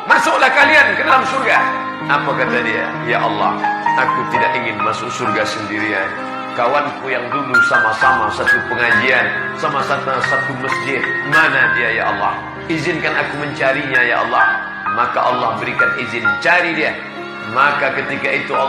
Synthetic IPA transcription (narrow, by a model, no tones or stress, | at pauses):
masʊklahkaliankədalamsurɡa | ʔapakat̪adia̰ | jaʔɑlːɑ̰hakut̪idakiŋɪnmasʊk̚surɡasəndiɾian | kawankujaŋdudusamasamasat̪upəŋad͡ʒian | samasat̪asat̪uməsd͡ʒɪt̪̚manadiaja̰ʔɑ̰lːɑ̰h | izɪnkanakuməɲt͡ʃaɾiɲaja̰ʔɑ̰lːɑh | maka̰ʔɑlːɑhbəɾikanizɪnt͡ʃaɾidia | makakət̪ikait̪u